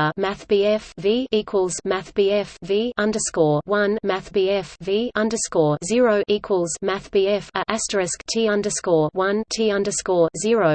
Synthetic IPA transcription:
mæθb̥iːɛfviːiˑkʰwəlˠzmæθb̥iːɛfviːʌ̃ndəskɔːwʌ̃nmæθb̥iːɛfviːʌ̃ndəskɔːzɪəɹəʊʔiˑkʰwəlˠzmæθb̥iːɛfəʔæstəɹɛsktʰiːʌ̃ndəskɔːwʌ̃ntʰiːʌ̃ndəskɔːzɪəɹəʊ

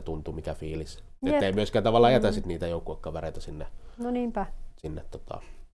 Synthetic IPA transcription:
t̪unt̪umikæfiːlis | et̪ːeˑimyøskæːnt̪ɑʋɑlːɑjæt̪æsit̪niːt̪æjoˑukːuɑkːɑʋereˑit̪æsinːenoniːmpæsinːet̪t̪ːo̥t̪ʰɑ̰

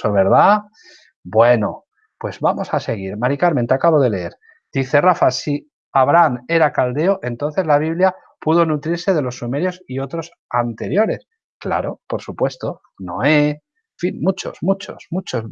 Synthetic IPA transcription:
oβeɾða | bwe̞no̞ | pwe̞zβamo̞sase̞ɣ̞iɾmaɾikaɾment̪eakaβo̞ðe̞le̞eɾ | d̪̥iθe̞rafasi | aβ̞ɾane̞ɾakald̪e̞oʔe̞nt̪o̞nθe̞zlaβ̞iβlja | puð̞o̞nut̪ɾiɾse̞ðe̞lo̞sːume̞ɾjo̞sio̞t̪ɾo̞s | ant̪e̞ɾjo̞ɾe̞s | kla̰ɾo̞po̞ɾsupwe̞st̪o̞ | no̞e | finmut͡ʃo̞̰smut͡ʃo̞̰smut͡ʃoz

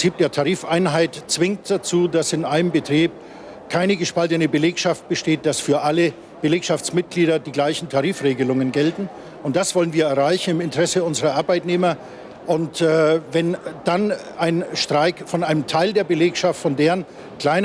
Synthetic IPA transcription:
t͡siːp̚d̥eːɐtʰaʁiːfaɪnɦaɪtt͡sv̥ɪŋtd̥at͡suːdasɪnʔaɪnəmbətʁ̥iːp̚ | kʰaɪnəɡəʃpaltənəbəleːkʃaft̚b̥əʃteːt̚d̥asfyːɐʔalə | b̥əleːkʃaft͡smɪt̚ɡ̥liːɾɐdiːɡlaɪçn̩tʰaʁiːfʁeːɡəlʊŋənɡɛltn̩ | ʊnt̚d̥asv̥ɔlənviːɐɛɐʁaɪçn̩ɪmɪntəʁɛsəʊnzəʁɐʔaɐbaɪtneːmɐ | ʔʊntːvɛnd̥an | ʔaɪnʃtʁ̥aɪkfɔnʔaɪnəmtʰaɪldeːɐbəleːkʃaftfɔndeːən | kl̥aɪn

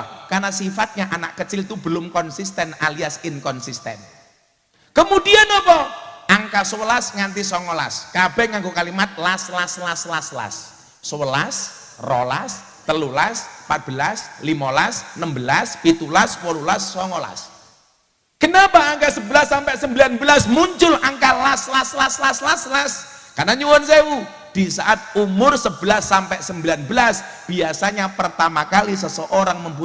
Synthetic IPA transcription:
karnasifat̪̚ɲaʔanaʔkət͡ʃɪlt̪ubəlʊmkɔnsist̪ɛnaliasɪnkɔnsist̪ɛ̰n | kəmudianɔpɔʔaŋkasəwəlasŋant̪isɔŋɔla̰skab̥ɛhŋaŋɡokalimat̪̚laslaslaslasla̰sː | əwəlas | rɔlas | t̪əlulaspat̪̚b̥əlaslimalasnəmbəlaspit̪ulaswolulasːɔŋɔla̰s | kənapaːŋkasəbəlasːampɛʔsəmbilanbəlasmuɲt͡ʃʊlaŋkalaslaslaslaslaslaskanaɲuwɔnsewu | d̥isaʔat̪̚umʊrsəbəlasːampɛʔsəmbilanbəlas | b̥iasaɲapərt̪amakalis̬əsəʔoɾaŋməmp̬u

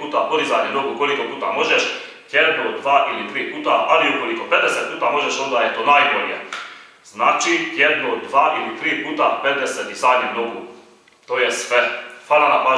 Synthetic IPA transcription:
uːt̪apod̪izaɲenoɡuuko̞liko̞puːt̪a̰mo̞ʒeʃ | jed̪nod̪ʋaːʔilit̪ɾiːpuːt̪aʔaliuko̞likoped̪eset̪̚puːt̪amo̞ʒeʃo̞nd̪ajet̪oːnaːjboʎjḛ | z̥naːt͡ʃijed̪nod̪ʋaːʔilit̪ɾiːpuːt̪apet̪d̪eset̪izaɲenoɡu | t̪oːjesʋefaːlanapaː

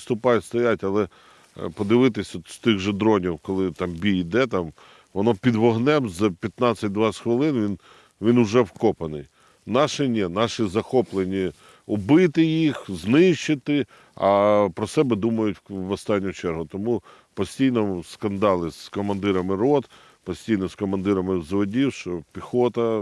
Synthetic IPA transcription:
st̪ʊpɑjʲst̪ɔjatʲɐlˠɛ | pɔd̪ɪʋɪt̪ɪsʲst̪ɪɣʒɐd̪ɾɔnʲiwkɔlˠɪt̪ɑmbʲiid̪ɛt̪ɑm | ʋɔnɔpʲid̪ʋɔɦnɛmzpʲjɐt̪nɑt͡sʲːɐtʲd̪ʋɑsʲxʋɪlˠɪnʋʲin | ʋʲinʊʒɛwkɔpɐnɪ̰j | nɑʃɪnʲɛnɑʃizɐxɔplˠenʲi | ʊbɪt̪ɪjixznɪʃt͡ʃɪt̪ɪ | ɐpɾɔsɛbɛd̪umɐjʊtʲʋɔst̪ɑnʲːʊt͡ʃɛrɦʊt̪ɔmu | pɔsʲtʲijnɔskɐnd̪ɑlˠɪskɔmɐnd̪ɪɾɐmɪɾɔt̪ | pɔsʲtʲijnɔskɔmɐnd̪ɪɾɐmɪzʋɔdʲiwʃt͡ʃɔpʲixɔt̪ɐ

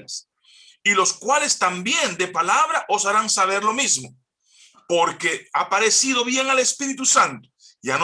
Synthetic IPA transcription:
s | ilo̞skwale̞st̪ambje̞nd̪e̞palaβ̞ɾaʔosaɾaŋsaβ̞e̞ɾlo̞mizmo̞ | po̞ɾke̞apaɾe̞sið̞o̞βje̞ŋale̞spiɾit̪usant̪o̥ | jan

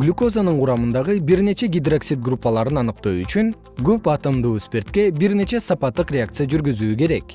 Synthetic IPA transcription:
ɡlʲuko̞zanɯɴqʰuɾɑmɯnd̪ɑʁɯbiɾne̞t͡ʃe̞ɡʲid̪roksʲit̪̚ɡrupːɑlˠɑɾɯnɑnɯq̚t̪oːyt͡ʃyŋ | ɡøpɑt̪ɯmd̪uːspe̞rt̪̚ke̞biɾne̞t͡ʃe̞sɑpɑt̪ːɯqɾʲeak̚t̪sɨjad͡ʒyɾɡyzyːke̞ɾe̞k

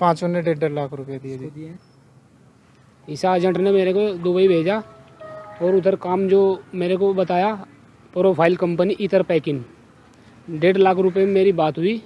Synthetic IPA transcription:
pãːt͡ʃoneɖeːɖəɽlaːkʰɾʊpjad̪ijad͡ʒd̪ | ɪsad͡ʒə̃ʈʰnemeːɾekod̪ʊbəibʱeːd͡ʒa | ɔːɾʊt̪əɾkaːmd͡ʒoːmeːɾekobɐt̪aːja | pɾoːpʰaːɪlkɐ̃mpəniʔɪt̪əɾpɛːkɪn | ɖeːɖlaːkʰɾʊpjemeːɾibaːt̪ɦʊiː

